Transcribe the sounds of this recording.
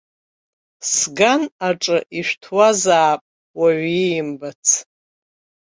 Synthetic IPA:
sɡanaʈ͡ʂʼɨʔiʃʷᶣtʰwazaːpʼ | waɥijɪmbat͡sʰ

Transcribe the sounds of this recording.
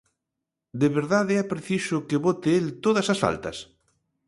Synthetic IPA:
d̪eβeɾðaðɛpɾeθisʊkeβot̪ɪelt̪oðɐsɐsfa̰lt̪ɐ̰s

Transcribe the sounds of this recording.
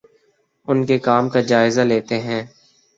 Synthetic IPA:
ʊnkekaːmkad͡ʒaːɪzaleːt̪eɦɛ̃ː

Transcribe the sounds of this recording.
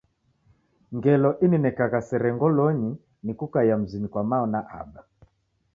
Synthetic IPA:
ŋɡɛlɔʔininɛkaɣasɛɾɛŋɡɔlɔɲi | nikukajam̩zinikwamaɔnaʔa̰ba

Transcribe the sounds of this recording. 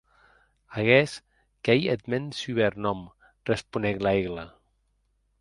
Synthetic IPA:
aɣɛs | kejet̪mensyβeɾnɔm | respuneɣlaeɣla

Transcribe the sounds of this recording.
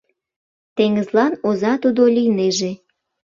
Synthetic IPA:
t̪eŋəzlɑnozɑt̪ud̪olʲijneʒe

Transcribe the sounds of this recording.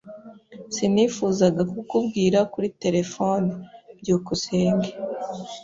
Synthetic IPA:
siniːfuːzaɡakukubɡiːɾakuɾite̞ɾe̞fo̞nibɟuːkuseːŋɡe

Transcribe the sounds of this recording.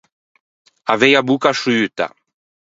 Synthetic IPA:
avejabukaʃuyt̪a̰

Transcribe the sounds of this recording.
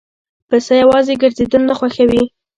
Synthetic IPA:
pasajawɑzeɡəɾzed̪ənnaxwaxawi

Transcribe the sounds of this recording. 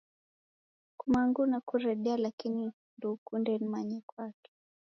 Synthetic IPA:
kumaŋɡunakuɾɛɗɛalakini | ndukundɛnimaɲɛkwakɛ̥

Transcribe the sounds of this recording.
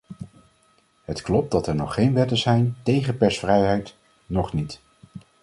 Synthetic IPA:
ɦətklɔp̚dɑtɛɹnɔχːejnʋɛtəzɛjntejχəpɛɹsfrɛjɦɛjt | nɔχnit

